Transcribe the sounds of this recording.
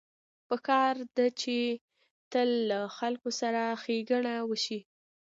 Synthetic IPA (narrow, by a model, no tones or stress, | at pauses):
pəkɑɾd̪at͡ʃe | t̪əlːaxalkosaɾaxeɡaɳawəʃi